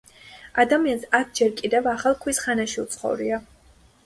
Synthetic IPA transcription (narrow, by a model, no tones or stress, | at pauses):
ad̪amiansat̪ʰd͡ʒɛɾkʼid̪ɛvaχalˠkʰwisχanaʃiut̪sʰχɔ̰vɾia